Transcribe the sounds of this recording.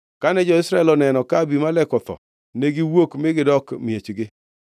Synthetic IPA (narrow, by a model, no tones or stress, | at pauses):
kanɛd͡ʒɔɪsɾaɛlɔnɛnɔkabimalɛkɔt̪ɔ̰ | neɡɪwokmɪɡɪdɔkmjet͡ʃɡɪ